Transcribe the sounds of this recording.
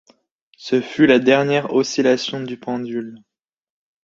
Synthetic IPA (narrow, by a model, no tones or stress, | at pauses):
səfylad̪ɛʁnjɛʁɔsilasjɔ̃d̪ypɑ̃d̪yl